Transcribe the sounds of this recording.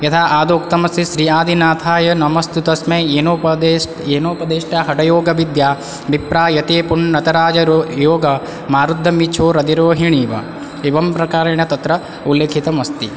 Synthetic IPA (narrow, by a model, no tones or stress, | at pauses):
jɐt̪ʰaːʔaːd̪oːk̚t̪ɐmɐst̪iʃɾiːaːd̪ʱinaːt̪ʰaːjɐnɐmɐst̪ut̪ɐsmeːeːnoː | eːnoːpɐd̪eːʂʈaːɦɐʈɐjoːɡɐʋid̪jaː | bipɾaːjɐt̪eːpuɳːɐt̪ɐɾaːd͡ʒɐojoːɡɐ | maːɾud̪ʱːɐmit͡ʃʰoːɾɐd̪iɾoːɦiɳiːʋɐ̰ | eʋɐmpɾɐkaːɾɐɳɐt̪ɐt̪ɾɐ | ulːeːkʰit̪ɐmɐst̪i